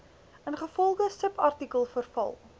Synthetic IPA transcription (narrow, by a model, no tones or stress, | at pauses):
ənχəfɔlˠχəsəpɐrtikəlˠfərfɐ̰lˠ